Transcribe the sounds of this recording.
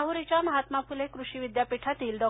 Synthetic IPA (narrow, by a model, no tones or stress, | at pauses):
aɦuɾit͡ɕjaməɦat̪mafulekɾuɕiʋid̪japiʈʰat̪iːlɖɔ